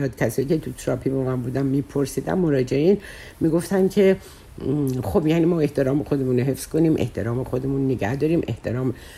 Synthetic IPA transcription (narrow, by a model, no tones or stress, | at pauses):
ɒːd̪̚cʲʰæsɒːjiːcʰe̞t̪ʰut̪ʰɾɒːpʰibɒmænbuːd̪ænmipʰoɾsiːd̪æ̰mːo̞ɾɒːd͡ʒe̞eiːn | miɡo̞ft̪æncʰe̞ | xo̞bjæːniːmɒːe̞ht̪ʰeɾɒːmexo̞d̪e̞muːnoɦe̞fsko̞niːmʔḛht̪ʰeɾɒːmexo̞d̪e̞muːnːeɟæ̰hd̪ɒːɾiːmʔe̞̰ht̪ʰeɾɒːm